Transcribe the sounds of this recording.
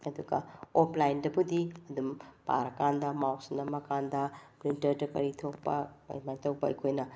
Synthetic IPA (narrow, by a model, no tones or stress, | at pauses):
ɐduɡɐ̰opʰlajndɐbudiɐdumpa̰ɾɐkandɐmawsnɐmɐkandɐpɾintɐɾdɐkɐ̰ɾitʰok̚pɐ̰ɐ̰jmajtɐwpɐikʰojnɐ